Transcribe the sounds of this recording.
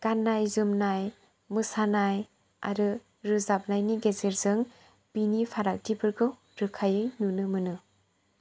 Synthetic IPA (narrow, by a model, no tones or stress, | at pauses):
ɡ̥anːajzɯmnaj | mɯsanaj | a̰ɾɯ | ɾɯzap̚najniɡezeɾzɯŋ | b̥inipʰaɾak̚tʰipʰɯɾɡɯw | ɾɯkʰajɯjnunɯmɯnɯ